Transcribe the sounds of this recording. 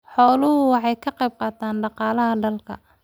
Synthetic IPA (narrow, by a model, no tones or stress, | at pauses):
ħɔːlʊɦʊwɑħɑjkʰɐqɛjb̚qɑːt̪ʰaːnɖɑqɑːlɐɦɐɖɐlkʰɐ̰